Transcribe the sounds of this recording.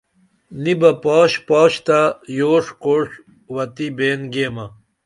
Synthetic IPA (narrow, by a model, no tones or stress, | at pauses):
nibɐpaːɕpaːɕt̪ajoːʂkoːʂ | wɐt̪ibeːnɡeːmɐ